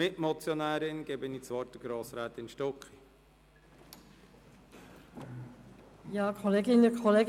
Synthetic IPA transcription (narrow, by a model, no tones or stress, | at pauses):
mɪtmɔt͡sjɔnæːɾɪnɡ̥ɛbənit͡sʋɔɾtəɡ̥ɾoːsɾæːt̪ɪnʃtɔki | jɑːkʰɔleːɡɪnəkʰɔleːɡ